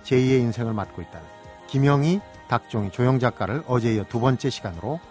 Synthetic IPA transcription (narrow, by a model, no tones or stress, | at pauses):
t͡ɕe̞ie̞insʰe̞ŋɯɭmat̚k͈oit̚t͈anɯn | kimjʌŋi | tak̚t͡ɕ͈oŋet͡ɕojoŋd͡ʑak͈aɾɯɭʌd͡ʑe̞ijʌtubʌnt͡ɕ͈e̞ɕʰiɡanɯɾo